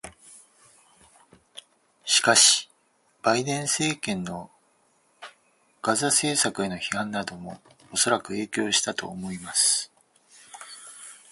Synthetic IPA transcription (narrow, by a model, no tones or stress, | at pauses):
ɕi̥kaɕi̥ | b̥aid̪ẽ̞ɰ̃se̞ːkẽ̞nːo̞ | ɡ̥azase̞ːsakɯ̟e̞no̞çihãnːad̪o̞mo̞̰ː | so̞ɾakɯ̟e̞ːkʲo̞ːɕi̥t̪at̪o̞̰ːmo̞imasɨ̥